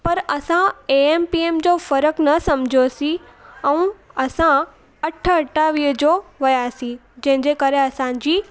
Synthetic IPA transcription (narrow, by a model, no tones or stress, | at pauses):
pɐɾɐsãeeːmpieːmd͡ʑofɐɾəknɐsɐmd͡ʑʱosĩɛ̃ũɐsã | ɐʈʰə̆ɐʈʰːaʋiːɦəd͡ʑoːʋɐjaːsĩ | d͡ʑɐ̃ɦɪ̃ɲd͡ʑekɐɾeɐsãd͡ʑiː